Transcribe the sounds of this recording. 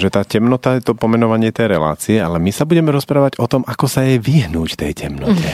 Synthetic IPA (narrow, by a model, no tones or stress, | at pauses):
ʒɛt̪aːcɛmnɔt̪ajɛt̪ɔpɔmɛnɔʋaɲɪɛt̪ɛjɾɛla̰ːt͡siɛalɛmisabuɟɛmɛɾɔspɾaːʋaɟɔt̪ɔmʔakɔsajɛʋiɦnuːcft̪ɛ̰jcɛmnɔ̰t̪ɛ